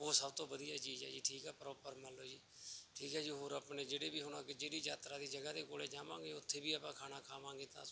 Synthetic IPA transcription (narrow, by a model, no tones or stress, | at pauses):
oːsəbt̪õːʋəd̪ijaːt͡ʃiːd͡ʒɛ̰ːd͡ʒiːʈʰiːkɛːpəɾɔːpəɾmənlːoːd͡ʒiːʈʰiːkɛːd͡ʒiːɦoːɾəpneːd͡ʒeːɽeːbiːɦʊnãːked͡ʒeːɽiːd͡ʒaːt̪ɾaːd̪iːd͡ʒəɡaːd̪eːkoːleːd͡ʒaːʋãːŋɡeːʊt̪ʰːeːbiːapãːkʰaːnaːkʰaːʋãːŋɡeːt̪ã̰ː